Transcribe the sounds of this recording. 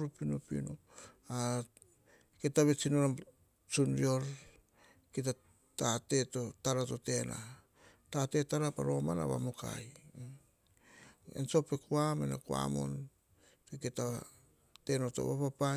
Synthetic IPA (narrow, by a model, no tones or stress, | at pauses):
ɾupinupḭno | a | ketaβe̞t͡ʃinoɾam | t͡ʃunɾio̞ɾ | kit̬a | tate̞totaɾato̞te̞nʔa̰ | tate̞taɾapa̰ɾo̞mana̰βa̰moka̰j | ḛnso̞pekuamenakua̰mo̞̰n | teketa | te̞noto̞̰βapapa